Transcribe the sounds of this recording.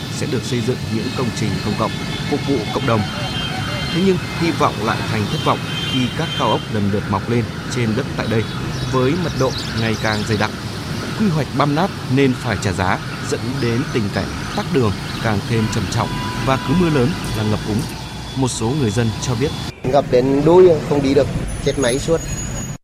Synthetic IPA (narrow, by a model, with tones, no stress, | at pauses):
sɛ̰˧˥ɗɨ˨˩ək̚sə˧jzɨ̰˧˨ŋɲɨ̰˧˥ŋkə˧wŋ͡mt͡ɕï˨˩ŋ̟kə˧wŋ͡mkə̰˧˨wŋ͡m | fʊ˨˩k̚vṵ˧˨kə̰˧˨wŋ͡mɗə˨˩wŋ͡m | t̪ʰe˨˦ɲɨ˧ŋhi˧vɔ̰˧˨wŋ͡mla̰ː˧˨jt̪ʰjŋ̟t̪ʰɨ˦˥k̚vɔ̰˧˨wŋ͡m | xi˧kaː˦˥kːaː˧wʔə˦˥wk͡p̚ɗə˨˩nɗɨ˨˩t̚ma˨˩wk͡p̚le˧n | t͡ɕe˧nɗɨ˦˥k̚t̪a̰ː˧˨jɗə˧j | vəː˨˦jmə˨˩t̚ɗo̰˧˨ | ŋa˨˩jkaː˨˩ŋzə˧jɗa˨˩k̚ | kwi˧ɦwa˨˩jk̟̚ɓaː˧mnaː˦˥p̚ne˧nfaː˧˩jt͡ɕaː˧˩zaː˨˦ | zə̰˧˥nɗe˨˦nt̪ï˨˩ŋ̟ka˧˩ŋ̟̚t̪aː˦˥k̚ɗɨ˨˩əŋ | kaː˨˩ŋt̪ʰe˧mt͡ɕə˨˩mt͡ɕɔ̰˧˨wŋ͡mvaː˨˩kɨ˨˦mɨ˧ələː˨˦nlaː˨˩ŋə˨˩p̚ʔʊ˨˦ŋ͡m | mo˨˩t̚so˨˦ŋɨ˨˩əjzə˧nt͡ɕɔ˧ɓi˦˥ət̚ | ŋɣə˨˩p̚ɗe˨˦nɗu˧jxə˧wŋ͡mɗi˧ɗɨ˨˩ək̚t͡ɕe˦˥t̚ma˨˦jsu˦˥ət̚